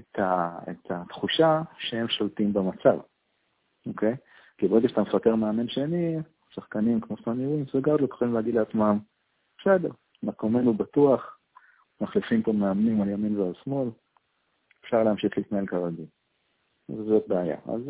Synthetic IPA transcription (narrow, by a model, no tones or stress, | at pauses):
et̪ʰaḛt̪ʰat̪χuʃaʃehemʃoltimbemat͡sav | o̞kʰe̞j | kibeʁeɡeʃat̪amefateʁmeame̞nʃeni | saχkanimkmosmamiinseɡad̪lot̪χolimleaɡid̪leat͡smam | bese̞deʁ | makomenubatuaχ | maχlifimpomeamnimaljaminvealsmo̞l | efʃaʁleamʃiχliːt̪nae̞lkaʁadi | zzot̪̚beaja̰a̰z